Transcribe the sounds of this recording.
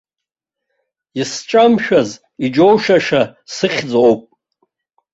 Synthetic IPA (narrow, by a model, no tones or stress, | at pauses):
isʈ͡ʂʼamʃᶣaz | id͡ʒowʃaʂasɨχʲd͡zowpʼ